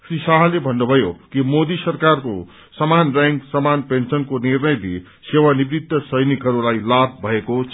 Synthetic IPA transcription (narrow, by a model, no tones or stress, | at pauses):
srisaɦlebʱʌnːubʱʌjokimod̪isʌrkarko | sʌmanraŋksʌmanpensʌnkonirnʌjd̪ʱḭ | sewanibɾid̪ːʌsʌjnikɦʌɾulajlab̚ʱbʱʌeko